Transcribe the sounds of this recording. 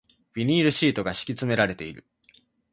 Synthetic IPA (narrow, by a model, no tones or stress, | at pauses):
b̥ʲiɲ̟iːɾɯ̟ɕiːt̪o̞ɡaɕi̥kʲit͡sɨme̞ɾaɾe̞t̪e̞iɾɯ̟̰